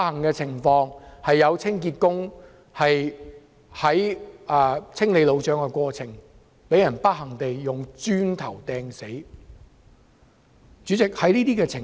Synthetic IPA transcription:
hɐ˨˩ŋkɛː˧t͡sʰɪ˨˩ŋfɔː˧ŋhɐ˨jːɐ˨˧wt͡sʰɪ˥ŋkiː˧t̚kʊ˥ŋ | hɐ˨j | hɐ˨˥jʔɐː˨˧t͡sʰɪ˥ŋle˨˧jlo˨˧wt͡ʃœː˨˥ŋkɛ˧kʷɔː˧t͡sʰɪ˨˩ŋ | pe˨˥jɐ˨˩npɐ˥t̚hɐ˨˩ŋt̪e˨jːʊ˨ŋt͡ʃyː˥nt̪ʰɐ˨˩wt̪ɛː˧ŋse˨˥j | t͡ʃyː˨˥t͡sɪ˨k̚hɐ˨˥jniː˥t̪iː˥kɛː˧t͡sʰɪ˨˩

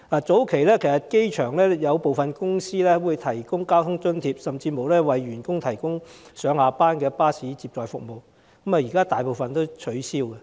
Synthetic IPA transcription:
laː˨˩t͡so˨˥wkʰe˨˩jlɛː˥kʰe˨˩jsɐ˨˩t̚ke˥jt͡ʃʰœː˨˩ŋlɛː˥jɐ˨˧wpo˨wfɐ˨nkʊ˥ŋsiː˥lɛː˥wu˨˧jt̪ʰɐ˨˩jkʊ˥ŋkaː˥wt̪ʰʊ˥ŋt͡sɵ˥nt̪ʰiː˧p̚sɐ˨mt͡siː˧mo˨˧wlɛː˥wɐ˨jɥyː˨˩nkʊ˥ŋt̪ʰɐ˨˩jkʊ˥ŋsœː˨˥ŋhaː˨˧paː˥nkɛː˧paː˥siː˨˥t͡siː˧p̚t͡ʃɔː˨jfʊ˨k̚mo˨w | kɐ˨˥ma˨˩jiː˨˩kaː˥t̪aː˨jpo˨wfɐ˨nt̪o˥wt͡ʃʰɵ˨˥siː˥wkɛ˧

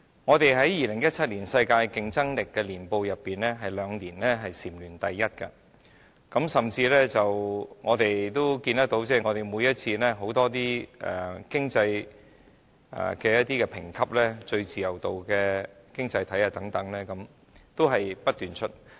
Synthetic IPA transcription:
ŋɔː˨˧t̪e˨jɦɐ˨˥jjiː˨lɪ˨˩ŋjɐ˥t̚t͡sʰɐ˥t̚liː˨˩nsɐ˧jkaː˧jkɪ˧ŋt͡sɐ˥ŋlɪ˨kːɛː˧liː˨˩npo˧wjɐ˨pːiː˨˩nlɛː˥ɦɐ˨jlœː˨˧ŋliː˨˩nlɛː˥ɦɐ˨jsiː˨˩mlyː˨˩nt̪ɐ˨jːɐ˥t̚kɐ̰˧ | kɐ˨˥msɐ˨mt͡siː˧lɛː˥t͡sɐ˨wŋɔː˨˧t̪e˨jt̪o˥wkiː˧nt̪ɐ˥k̚t̪o˨˥wt͡sɛː˥˩ŋɔ˨˧t̪e˨jmuː˨˧jɐ˥t̚t͡sʰiː˧lɛː˥ɦo˨˥wt̪ɔː˥t̪̬iː˥ɛ̰˨˩kɪ˥ŋt͡sɐ˧j | ɛ̰˨˩kɛː˧jɐ˥t̪̚iː˥kɛ˧pʰɪ˨˩ŋkʰɐ˥p̚lɛː˥t͡ʃɵ˧ɥt͡siː˨jɐ˨˩wt̪o˨wkɛː˧kɪ˥ŋt͡sɐ˧jt̪ʰɐ˨˥jaː˨t̪ɐ˨˥ŋt̪ɐ˨˥ŋlɛː˥kɐ˨˥m | t̪o˥wɦɐ˨jpɐ˥t̚t̪yː˨nt͡ʃʰɵ˥t̚

